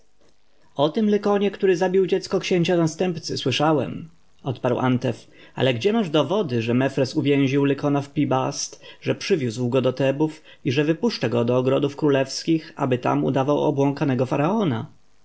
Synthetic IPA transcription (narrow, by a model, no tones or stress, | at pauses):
ɔt̪ɘmlɛkɔɲɛkt̪uɾɘzabʲiwd͡ʑɛt̪skɔkɕeɲt͡ɕanast̪ɛmpt̪sɘswɘʂawɛ̰m | ɔt̪paɾwʔa̰nt̪ɛf | a̰lɛɡd͡ʑɛmaʐd̪ɔvɔd̪ɘʐɛmɛfɾɛsuvʲjɛ̃w̃ʑiwlɛkɔnafpʲibast̪ʐɛpʂɘvʲjuzwɡɔd̪ɔt̪ɛbuf | iʐɛvɘpuʂt͡ʂaɡɔd̪ɔːɡɾɔd̪ufkɾulɛfskʲixa̰bɘt̪a̰mṵd̪avawɔ̰bwɔŋkanɛɡɔfaɾaɔna̰